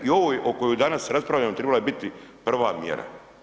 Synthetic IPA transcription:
io̞ʋoːjʔokojojd̪anasɾaspɾaʋʎamot̪ɾebalajebit̪ipr̩ʋaːmjḛɾa̰

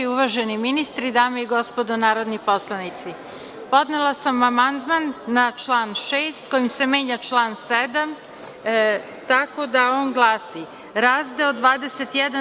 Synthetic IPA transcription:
iuʋaʒeniminist̪ɾid̪aːmeiɡo̞spo̞d̪onaːɾod̪nipo̞slˠanit̪si | po̞d̪nelˠasamamand̪manːat͡ʃlˠaːnʃeːst̪ko̞jimse̞me̞ːɲat͡ʃlˠaːnsed̪am | t̪ako̞d̪aoːnɡlˠaːsi | ɾaːzd̪eod̪ʋaːd̪eset̪jɛd̪a

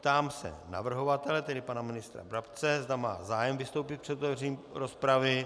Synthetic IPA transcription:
t̪aːmsɛ̰na̰vr̩ɦo̞vat̪ɛlɛt̪ɛdɪpanamɪnɪst̪ɾa̰bɾapt͡sɛzd̪ama̰ːzaːjɛmvɪst̪o̞wpɪt̪̚pr̥ɛt̪ot̪ɛvrɲiːɾo̞spɾavɪ

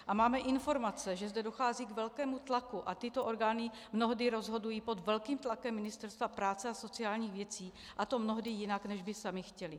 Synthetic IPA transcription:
ʔamaːmɛʔɪnfo̞ɾmat͡sɛʒɛzd̪ɛdo̞xaːziːɡvɛlkɛːmut̪lakuʔat̪ɪt̪o̞ʔo̞ɾɡaːnɪ | mno̞ɦdɪɾo̞zɦo̞dujiːpo̞d̪vɛlkiːmt̪lakɛmːɪnɪst̪ɛɾst̪vapɾaːt͡sɛaso̞t͡sɪaːlɲiːɣvjɛt͡siː | ʔat̪o̞mno̞ɦdɪjɪnaknɛʒbɪsamɪxcɛlɪ

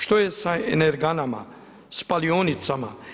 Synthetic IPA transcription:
ʃt̪o̞jesaeneɾɡanama̰ | spalionit̪sama̰

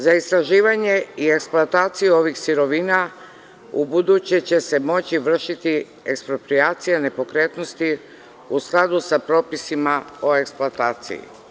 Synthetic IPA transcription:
zaist̪ɾaʒiːʋaɲe̞ie̞ksploat̪aːt̪sijuo̞ʋixsiɾo̞ʋiːna | ubud̪ut͡ɕe̞t͡ɕe̞se̞mo̞t͡ɕiʋr̩ʃit̪i | ekspɾopɾiaːt̪sijane̞po̞kɾe̞t̪no̞st̪i | usklˠad̪usapɾo̞ːpisimao̞e̞ksploat̪aːt̪sḭjḭ

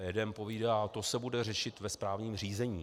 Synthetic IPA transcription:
ɛdɛmpoviːdaːt̪osɛbudɛrɛʃɪt̪vɛspɾaːvɲiːmr̝iːzɛɲiː

